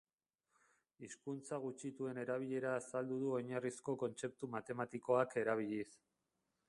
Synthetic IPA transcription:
iskunt͡saɣ̞ut͡ʃit̪ue̞ne̞ɾaβ̞iʎe̞ɾaːsald̪uðuo̞ɲarisko̞ko̞nt͡se̞p̚t̪umat̪e̞mat̪iko̞ake̞ɾaβ̞iʎis

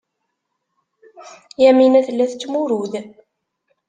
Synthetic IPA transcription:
jæminæθəlːæθət͡sːmuɾuð

